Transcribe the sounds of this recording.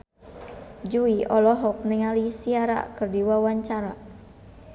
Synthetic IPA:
d͡ʒuiʔɔlɔɦɔk̚nɛŋalisiaɾa̰kɨrdiwawaɲt͡ʃaɾa

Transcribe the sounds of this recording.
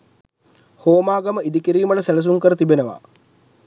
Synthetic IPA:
hoːmaːɡɐməid̪ikiɾiːmɐʈəselɐs̬uŋkəɾət̪ibenəʋa̰

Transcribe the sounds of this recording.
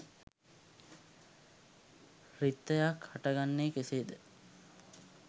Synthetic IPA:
rit̪ːəjakhaʈəɡanːeːkeseːd̪ə

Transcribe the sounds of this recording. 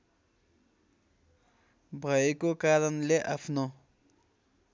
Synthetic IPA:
bʱʌekokaɾʌnleʔapʰno

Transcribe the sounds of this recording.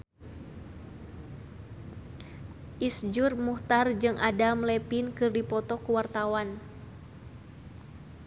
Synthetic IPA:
ʔisd͡ʒurmuht̪ard͡ʒɨŋʔadamlɛpinkɨrdipɔt̪ɔkuwart̪awan

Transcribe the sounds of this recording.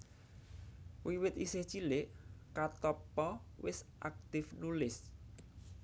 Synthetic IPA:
wiwɪt̪isɪht͡ʃileʔkat̪ɔpɔwɪsʔa̰k̚t̪ɪfnulɪs

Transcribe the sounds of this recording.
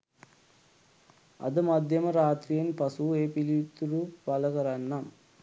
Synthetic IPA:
ɐ̰d̪ɐmɐd̪ʱjɐmɐɾaːt̪ɾienipɐsueːpilit̪uɾupɐlɐkɐɾɐnːɐ

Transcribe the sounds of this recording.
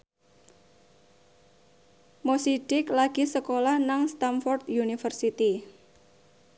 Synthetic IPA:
mosiɖ̥ɪklaɡ̥isəkolahnaŋst̪amfɔrt̪junifərsit̪i

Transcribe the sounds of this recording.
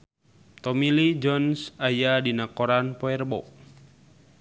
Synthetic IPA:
t̪ɔmilid͡ʒɔnsajadinakɔɾanpɔɛrbɔ̰

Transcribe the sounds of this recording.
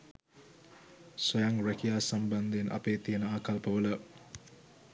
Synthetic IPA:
sɔjaŋɾɐkijaːsɐmbɐnd̪enʔɐ̰peːt̪ijənəaːkɐlpəʋəlɐ

